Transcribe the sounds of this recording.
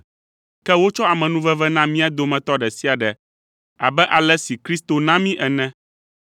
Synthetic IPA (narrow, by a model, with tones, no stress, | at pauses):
kɛ˦wo˦t͡ʃɔ˦a˨mɛ̃˨nũ˦vɛ˦vɛ˦nã˦mĩ˦a˦d̪o˨mɛ̃˨t̪ɔ˦ɖɛ˨si˦a˨ɖɛ˨ | a̰˨bɛ˦ʔa˨lɛ˦si˨kɾi˦st̪o˨nã˦mĩ˦ʔɛ˨nɛ̃˦